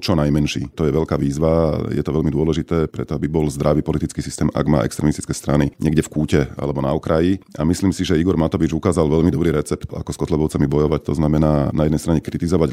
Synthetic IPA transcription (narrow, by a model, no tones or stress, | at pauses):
t͡ʃɔnajmɛnʃḭːt̪ɔjɛʋɛʎkaːʋiːzʋajɛ̰t̪ɔʋɛʎmid̪ʊɔlɛʒit̪ɛːpɾɛt̪ɔabibɔlzd̪ɾaʋiːpɔlit̪it͡skiːsist̪ɛːmʔa̰ɡma̰ːʔɛ̰kst̪ɾɛmist̪i̥t͡skɛːst̪ɾaniɲʔɪɛɡɟɛfkuːcɛa̰lɛbɔna̰ɔkɾajia̰misliːmsiʒɛiɡɔɾmat̪ɔʋid͡ʒukaːzalʋɛʎmid̪ɔbɾiːɾɛt͡sɛp̚t̪a̰kɔskɔt̪lɛbɔʊt͡samibɔjɔʋact̪ɔznamɛnaːnajɛd̪ɛjst̪ɾaɲɛkɾit̪izɔʋaɟ